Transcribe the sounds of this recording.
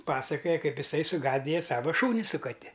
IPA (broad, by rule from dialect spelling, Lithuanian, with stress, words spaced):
ˈpɑːsɐkoːjɛ ˈkɐɪp ɪˈsɐɪ sʊˈɡɑːdʲɪjɛ ˈsɑːʋɐ ˈʃuːnʲɪ sʊ kɐˈtʲɪ